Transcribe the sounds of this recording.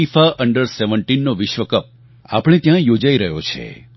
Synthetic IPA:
ifaʔəɳɖəɾseʋəɳʈinːoʋɪʃʋəkəp̚ | a̰pɽ̃et̪jãjod͡ʒaiɾəɦjot͡ʃʰḛ

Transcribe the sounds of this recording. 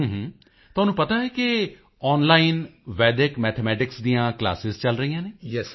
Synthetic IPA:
ɦːɦː | t̪ʊɦaːnũːpət̪aːɛːkɪ | ɔːnlaːɪnʋɛːɖ̪ɪkmɛːt̪ʰemɛːʈɪksd̪iːãːkla̰ːsɪzt͡ʃəlɾəijãːneːjɛs

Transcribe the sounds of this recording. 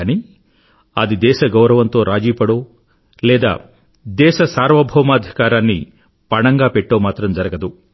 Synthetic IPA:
ni | ɐd̪id̪ɛːʃɐɡɐwɾɐʋɐnt̪o̞ːɾaːd͡ʒiːpɐɽoː | lɛːd̪a̰ː | d̪ɛːʃɐsaːɾʋɐbʱɔːmɐːd̪ʱikaːɾaːnːi | pɐɳɐŋɡaːpeʈːoːmaːt̪ɾɐmd͡ʒɐɾɐɡɐd̪u

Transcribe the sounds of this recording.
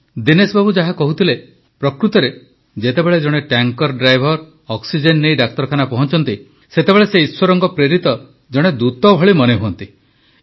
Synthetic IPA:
d̪inesbʱabud͡ʒaɦakɔɦut̪ʰile | pɾɔkɾut̪ɔɾe | d͡ʒet̪ebeɭed͡ʒɔɽ̃eʈaŋkɔɾɖɾajbʱɔɾ | ɔksid͡ʒenːejɖak̚t̪ɔɾɔkʰanapɔɦɔnt͡ʃɔnt̪i | set̪ebeɭeseiswɔɾɔŋkɔpɾeɾit̪ɔ | d͡ʒɔɽ̃ed̪ut̪ɔbʱɔɭimɔneɦuɔnt̪i

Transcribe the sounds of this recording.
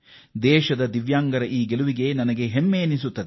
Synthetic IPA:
d̪ɛːʃɐd̪ɐd̪iʋjaːŋɡɐɾɐʔiːɡeluʋiɡe̞nɐnɐɡe̞ɦemːeːnisut̪ːɐd̪e

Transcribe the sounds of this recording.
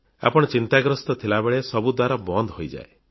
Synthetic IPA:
a̰pɔɽ̃ɔt͡ʃint̪aɡɾɔst̪ɔt̪ʰilabeɭesɔbud̪waɾabɔnd̪ʱɦojd͡ʒa̰e

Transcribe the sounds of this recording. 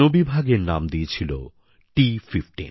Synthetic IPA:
obibʱaɡeɾnamd̪iet͡ɕʰilo | ʈififʈḭn

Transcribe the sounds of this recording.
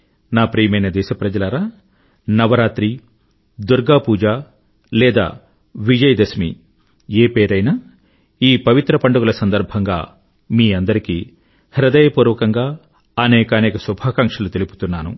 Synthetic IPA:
naːpɾiːjɐmɐjnɐd̪ɛːʃɐpɾɐd͡ʒɐlɐɾaː | nɐʋɐɾaːt̪ɾi | d̪uɾɡaːpuːd͡ʒaː | lɛːd̪a̰ː | ʋid͡ʒɐjd̪ɐsmḭ | eːpeːɾɐjnaː | iːpɐʋit̪ɾɐpɐɳɖuɡulɐsɐnd̪ɐɾbʱɐŋɡa̰ː | miːɐnd̪ɐɾikiː | hɾɐd̪ɐjɐpuːɾʋɐkɐŋɡaː | ɐnɛːkɐnɛːkɐsubʱaːkɐŋkʂɐlut̪elipu̥t̪unːaːnṵ

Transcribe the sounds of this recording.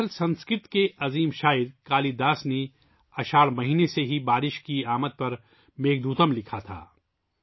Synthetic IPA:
əlsɐ̃nskɾɪt̪keʔɐziːmʃaːɪɾkaːlid̪aːsne | ɐʃaːɾmɐɦiːneseɦibaːɾɪʃkiaːmət̪̚pɐɾ | meːɡd̪ʱuːt̪əmlɪkʰat̪ʰa̰ː

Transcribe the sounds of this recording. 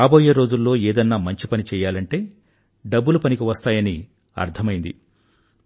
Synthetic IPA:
aːbo̞ːjeːɾo̞ːd͡ʒulːo̞ːeːd̪ɐnːaːmɐɲt͡ʃipɐnit͡ʃɛːjaːlɐɳʈe̞ː | ɖɐbːulupɐnikiʋɐst̪aːjɐni | ɐ̰ɾt̪ʰɐmɐjind̪ḭ

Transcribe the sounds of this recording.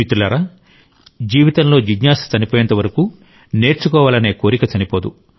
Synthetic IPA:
it̪ulɐɾɐ | d͡ʒiːʋit̪ɐnlo̞ːd͡ʒiɡɲaːst͡ʃɐnipoːjɐnt̪ɐʋɐɾɐku | ne̞ːɾt͡ʃukɔːʋaːlɐne̞ːko̞ːɾikɐt͡ʃɐnipoːd̪u

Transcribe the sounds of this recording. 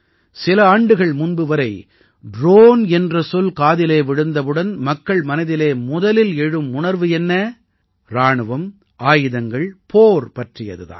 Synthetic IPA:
sɪlɐaːɳɖɯɣɐɭmʊnbɯʋɐɾɐɪ | ɖɾoːnɛndrɐsɔlkaːðɪleːʋɪɽɯnd̪ɐʋɯɽɐnmɐkːɐɭmɐnɐðɪleːmʊðɐlɪlɛɻɯmʊɳɐɾʋɯɛnːɐ | ɾaːɳɯʋɐm | ʔaːjɯðɐŋɡɐɭpoːɾpɐʈrɪjɐ̰ðɯða̰ːn

